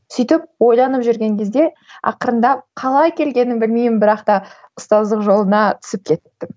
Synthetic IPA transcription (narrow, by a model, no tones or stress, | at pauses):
sʏjt̪ɪp̚wo̞jlˠɑnəpʒʏɾɡʲe̞ŋkʲʰe̞zd̪e̞ | ɑ̰qəɾənd̪ɑqʰɑlˠɑjkʲʰe̞lɡʲe̞nɪnbɪlmejmɪnbɪɾɑqt̪ɑʊst̪ɑzd̪əqʒo̞lˠənɑt̪ʰʏ̥sɪp̚kʲʰe̞t̪ːɪ